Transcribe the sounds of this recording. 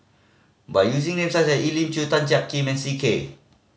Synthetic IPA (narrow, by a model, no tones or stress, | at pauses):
bajuz̬iŋnɛ̃nsasaʔilimt͡ʃut̪ant͡ʃaʔ̚kimɛ̃nsike